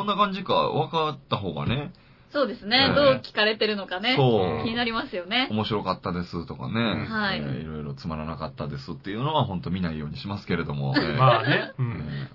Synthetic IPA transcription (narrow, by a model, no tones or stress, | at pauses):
sonːakãɲ̟d͡ʑika̰βakat̪ːaɦo̞ːɡa̰ne̞ | so̞ːd̪e̞sɨne̞d̪o̞ːkʲi̥kaɾe̞t̪e̞ɾɯ̟nokane̞so̞ːkʲiɲ̟inaɾʲimasɨjo̞ne̞o̞mo̞ɕiɾo̞kat̪ːad̪e̞sɨt̪o̞ka̰ne̞haeiḭɾo̞iɾo̞t͡sɨmaɾanakat̪ːad̪e̞sɨt̪ːe̞jɯ̟no̞βaɦõ̞nt̪o̞mʲinaijo̞ːɲ̟iɕimasɨ̥ke̞ɾe̞d̪o̞mo̰eːaneḛ